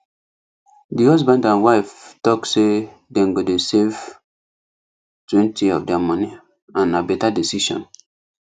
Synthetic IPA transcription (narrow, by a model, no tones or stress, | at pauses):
dihɔzbãndãnwaɪftɔkse | dɛ̃nɡodesev | twɛ̃ntiɔfdɛamɔni | ãnːabɛtadisiʃɔ̰̃n